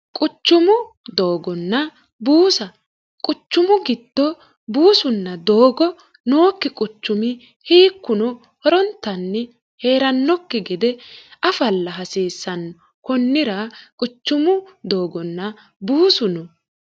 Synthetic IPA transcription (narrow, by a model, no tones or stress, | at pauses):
kʼʊt͡ʃːʊmʊ | d̪o̞ːɡɔnːɐ | buːsɐ | kʼʊt͡ʃːʊmʊɡɪd̪ːɔ | buːsʊnːɐd̪o̞ːɡɔ | noːkːɪkʼʊt͡ʃːʊmɪ | hiːkːʊnɔ | hɔɾɔnt̪ːɐnːɛ | he̞ːɾɐnːɔkːɛɡɪd̪ɛʔɐfɐlːɐɦɐsiːsːɐn | kɔnːɪɾɐkʼʊt͡ʃːʊmʊd̪o̞ːɡɔnːɐ | buːsʊnɔ